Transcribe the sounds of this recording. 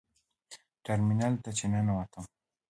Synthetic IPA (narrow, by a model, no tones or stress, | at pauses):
ʈeɾminalt̪at͡ɕenanawat̪am